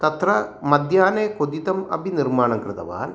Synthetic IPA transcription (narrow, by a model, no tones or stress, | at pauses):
t̪ɐt̪rɐmɐd̪ʱjaːneːkod̪it̪ɐmɐ̰bʱinirmaːɳɐmkrɨt̪ɐ̰ʋa̰ːn